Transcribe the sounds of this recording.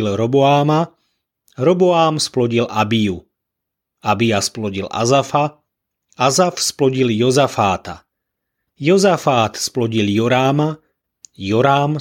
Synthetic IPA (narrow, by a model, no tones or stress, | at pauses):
ilɾɔbɔaːma | ɾɔbɔaːmsplɔɟilʔabiju | abiasplɔɟila̰zafa | azafsplɔɟiljɔzafaːt̪a̰ | jɔzafaːt̪splɔɟiljɔɾaːma | jɔɾaːm